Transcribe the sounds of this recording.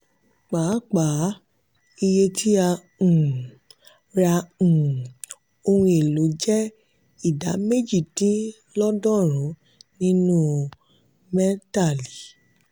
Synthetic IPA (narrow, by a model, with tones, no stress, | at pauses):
k͡pa˨˦k͡pa˨˦ | i˧je˧tʰi˦ã˧˨ | ɾã˧˨ | o˧hũ˧e˨lo˨˦d͡ʒɛ˦ | i˦˨da˨˦me˦d͡ʒi˦˨tĩ˦ | lɔ˦dɔ˦˨ɾ̃ũ˨˦ | nĩ˦nũ˦ | mɛ˦ta˦˨li˨